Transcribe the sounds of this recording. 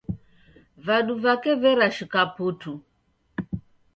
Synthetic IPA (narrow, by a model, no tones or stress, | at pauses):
vaɗuvakɛvɛɾaʃikaputu